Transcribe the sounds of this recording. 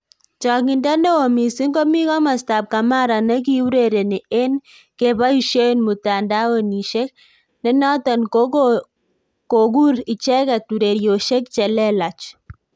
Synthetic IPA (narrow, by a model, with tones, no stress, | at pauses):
t͡ʃɔ˨ŋɪ˨nda˦nɛ˦o˨mi˨si˦ŋɡo˦mi˦kɔ˦ma˨sta˨p̚ka˨ma˦ɾa˨nɛ˦k̬i˦u˦ɾe˨ɾe˨ni˨e˦n | ke˨ba˦u˨ʃo˦nmu˨ta˨nda˦wo˦ni˨ʃe˦k̚ | nɛ˦nɔ˦tɔ˨nko˦ | ko˨ɡ̬u˦ɾi˨t͡ʃɛ˦kɛ˨tu˨ɾe˨ɾjo˨ʃe˦k̚t͡ʃɛ˨lɛ˦la˨t͡ʃ